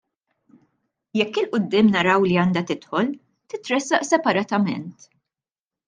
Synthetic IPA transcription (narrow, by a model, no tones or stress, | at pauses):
jɛkːɪlʔʊd̪ːɪːmnɐɾɐwliɐːnd̪ɐt̪ɪt̪ħɔl | t̪ɪt̪ɾɛsːɐʔsɛpɐɾɐt̪ɐmɛ̰nt̪